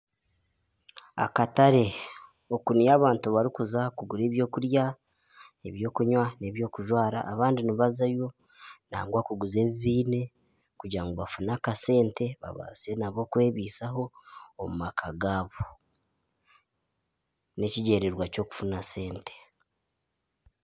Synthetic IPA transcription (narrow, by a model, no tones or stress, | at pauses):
a̰kataɾe̞ | okunjaːβaːntuβaɾikuzakuɡuɾe̞ːβjo̞ːkuɾja | eβjo̞ːkuɲwane̞βjo̞ːkuʒwaːɾa̰ʔːβaːndiniβazajo̞ | naːŋɡwakuɡuze̞ːβiβiːne̞ | kuɟaŋɡoβafunakase̞ːnte̞βa̰βa̰zenaβo̞kwe̞ːβiːsaɦo̞ːmumakʰaɡaːβo | ne̞ciɟe̞ːɾeɾwaco̞ːku̥funase̞ːnte̥